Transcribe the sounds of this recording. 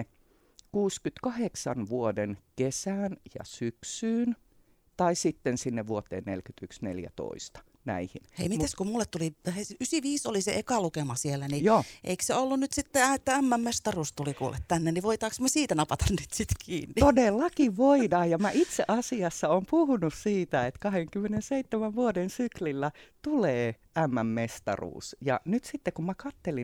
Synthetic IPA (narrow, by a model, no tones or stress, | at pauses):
kuːskyt̪kɑheksɑnʋuodenkesæːnjɑ̰syksyːn | t̪ɑisit̪ːensinːeʋʋuot̪ːˑḛːnnḛlkyt̪yksnḛljæ̰t̪o̰ist̪ɑ̥ | næ̰ihinhḛimit̪æskumulːet̪t̪uliheysiʋiːsolisḛʔekɑlukemɑsielːænijoːʔḛikseolːunnyt̪sit̪ːeæet̪ːææmːæmmest̪ɑruːst̪ulikuːlːet̪t̪ænːeniʋoit̪ɑːksmæsiːt̪ænɑpɑt̪ɑnnyt̪sit̪kʰiːnːtitodelːɑkiʋʋoidɑːjjɑmæʔit̪seʔɑsiɑsːɑoːmpuhunussiːt̪æet̪kɑheŋkymːˑenenseit̪ːemæʋʋuodensyklilːæt̪uleː | æmːæmmest̪ɑ̰rṵːsjɑ̰nyt̪sit̪ːekummækɑt̪ːeli